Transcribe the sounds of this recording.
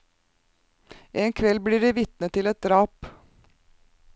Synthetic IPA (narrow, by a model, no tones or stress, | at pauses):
ʔeːŋkʰʋɛlbliːɖiːʋɪt̪nət̪ʰɪlɛt̪̚d̪ɾɑːp